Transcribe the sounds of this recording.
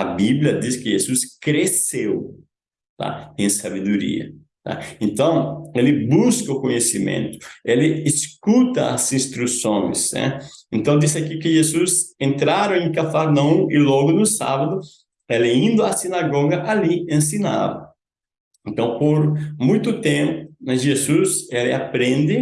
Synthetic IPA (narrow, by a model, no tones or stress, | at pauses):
ɐbibljɐd̪iskɪʒezuskɾesew | t̪a̰ẽsabed̪uɾḭɐ̰ | t̪a̰ẽnt̪ɐ̃w̃elɪbuskɐʊkoɲesimḛ̃nt̪ʊ̥elɪːskut̪ɐa̰zĩst̪ɾusõj̃sɛ̰ẽnt̪ɐ̃w̃d̪isɪakikɪʒezusẽnt̪ɾaɾɐ̃w̃ẽŋkafaɾnɐ̃ũɪlɔɡʊnʊsa̰βɐd̪ʊ | elɪĩnd̪ʊasinaɡɔɡɐʔaliẽnsina̰vɐ | ẽnt̪ɐ̃w̃poɾmũj̃t̪ʊt̪ẽmpʊmɐzʒezuselɪapɾẽnd̪ɪ